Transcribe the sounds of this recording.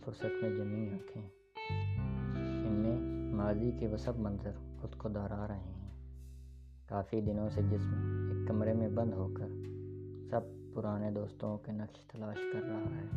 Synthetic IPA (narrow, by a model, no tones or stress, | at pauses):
fʊɾsət̪mẽd͡ʒɐmĩɦɐt̪ʰẽ | ɪnmẽmaːzikeʋɐsəbmɐ̃nzəɾʊskod̪ɔːɾaːɾɐɦeɦɛ̃ː | kaːfid̪ɪnõsed͡ʒɪsmẽeːkːɐmɾemẽbɐ̃nd̪ɦoːkəɾ | sɐb̚pʊɾaːned̪oːst̪õkenɐkʃt̪ɐlaːʃkɐɾːaɦaɦɛː